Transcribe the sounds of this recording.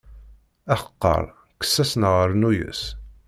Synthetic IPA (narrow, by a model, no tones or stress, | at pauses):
æχə̥qːə̰ɾˤ | kə̥sːæsnəʁəɾˤnujə̰s